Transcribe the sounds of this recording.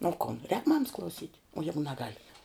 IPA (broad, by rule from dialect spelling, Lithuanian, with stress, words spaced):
oː ˈkoːn rʲɛːk ˈmɑːmɐs klˠɐʊˈsʲiːtʲ oː ˈjæːɡʊ nʲɛˈɡɐlʲ